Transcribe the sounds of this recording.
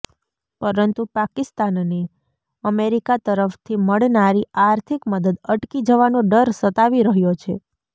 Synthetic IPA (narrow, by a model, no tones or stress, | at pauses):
pəɾənt̪upakɪst̪anne | əmeɾikat̪əɾəft̪ʰiməɽnaɾiaɾt̪ʰikməd̪əd̪əʈkid͡ʒəʋanoɖəɾsət̪aʋiɾəɦjot͡ʃʰe